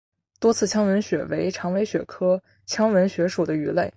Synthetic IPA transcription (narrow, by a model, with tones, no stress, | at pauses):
t̪wɔ˥t͡sʰɹ̩˥˩t͡ɕʰjɑ˥ŋwə˧˥nɕɥɛ̰˨˩we˧˥ɪʈ͡ʂʰɑ˧˥ŋwe˧˥ɪɕɥɛ˨˩kʰɤ˥ | t͡ɕʰjɑ˥ŋwə˧˥nɕɥɛ˧˥ʂu˨˩d̪ə˦y˧˥le˥˩ɪ